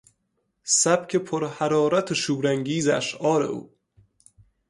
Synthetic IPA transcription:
sæb̥kʰepʰoɾhæɾɒːɾæt̪ʰeʃuːɾæŋɡiːzæʃʔɒːɾḛʔṵː

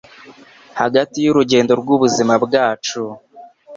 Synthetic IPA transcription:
haɡatijuɾuɟe̞ːndo̞ɾɡuβuzimabɡaːt͡ʃu

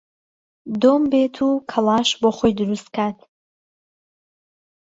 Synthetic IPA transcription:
d̪ombet̪ʰukʰɐlˠɑːʃboːχojd̪ɨɾust̪̚kʰat̪ʰ

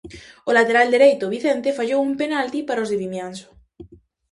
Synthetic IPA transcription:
olat̪eɾald̪eɾejt̪oβiθent̪efaʎowumpenalt̪ipaɾaozðeβimjanso̥

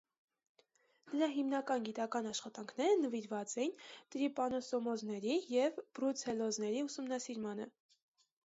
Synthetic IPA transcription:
nəɾɑɦimnɑkɑnɡit̪ɑkɑnɑʃχɑt̪ɑŋkʰnɛɾənəviɾvɑt͡sɛjint̪ɾipɑnɔsɔmɔznɛɾijɛvbɾut͡sʰɛlɔznɛɾiusumnɑsiɾmɑnə̰

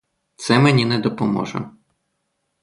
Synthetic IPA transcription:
t̪sɛmenʲinɛd̪ɔpɔmɔ̰ʒɐ̰

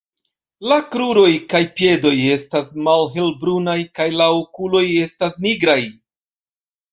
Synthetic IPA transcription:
lakɾuɾo̞jkajpje̞do̞je̞stasmalɦe̞lbɾunajkajlaokulo̞je̞stasniɡɾaj

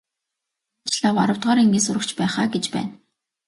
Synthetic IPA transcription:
t͡ɕɮawaɾə̆w̥t̪ʁɔːɾiŋɡʲiːsʊɾə̆kt͡ɕpæːχaːɡet͡ɕpæ̰ːn

